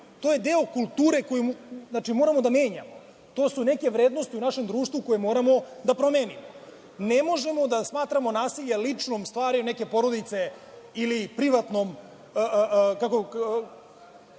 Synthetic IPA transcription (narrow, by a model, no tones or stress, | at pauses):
t̪oje̞d̪eːokulˠt̪uːɾe̞kojimuznat͡ʂimoːɾamod̪ame̞ːɲa̰mo | t̪o̞ːsune̞ke̞ʋɾeːd̪no̞st̪iunaʃe̞md̪ɾuːʃt̪ʋuko̞jemo̞ːɾamo̞d̪apɾomeːnimo | nemo̞ʒe̞mo̞d̪asmaːt̪ɾamo̞naːsiʎelit͡ʂno̞mst̪ʋaːɾiune̞ke̞po̞ɾo̞d̪it̪se̞ | ilipɾiʋat̪no̞mː | kako